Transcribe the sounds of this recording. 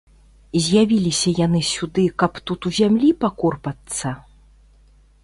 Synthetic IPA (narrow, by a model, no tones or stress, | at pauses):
zʲjavʲilʲisʲɐjanɨsʲud̪ɨkɐpt̪ut̪uzʲamlʲipakɔrpɐt̪sːɐ